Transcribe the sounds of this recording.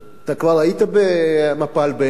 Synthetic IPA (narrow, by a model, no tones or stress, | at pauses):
t̪akvaʁait̪abemapalbe